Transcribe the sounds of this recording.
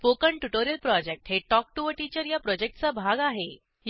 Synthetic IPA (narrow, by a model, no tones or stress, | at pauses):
pokəɳʈuʈoɾijəlpɾɔd͡ʑek̚ʈɦeʈɔk̚ʈuʋəʈit͡ɕəɾjapɾɔd͡ʑek̚ʈt͡sabʱaɡaɦe | j